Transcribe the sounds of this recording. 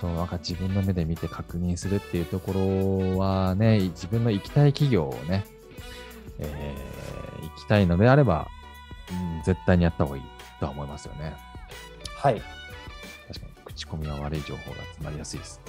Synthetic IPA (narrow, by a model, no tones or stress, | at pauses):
so̞ːnaŋkad͡ʑibɯ̟̃nːo̞me̞d̪e̞mʲit̪e̞kʰakɯ̟ɲ̟ĩɰ̃sɨɾɯ̟t̪ːe̞iɯ̟t̪o̞ko̞ɾo̞βane̞d͡ʑibɯ̟̃nːo̞ikʲi̥t̪aikʲiɡʲo̞̰ːne̞ | e | ḭkʲi̥t̪aino̞d̪e̞aɾe̞ba̰ | ɯ̟̃d͡ze̞t̪ːaiɲ̟ijat̪ːaho̞ːḭː | t̪o̞aomo̞imasɨjo̞̰ne̞ | hai | t̪aɕi̥ka̰ɲ̟ikɯ̟̥t͡ɕi̥ko̞mʲiβaβaɾɯ̟iʑoːho̞̰ːɡa̰ːt͡sɨnaɾʲijasɨid̪esɨ̥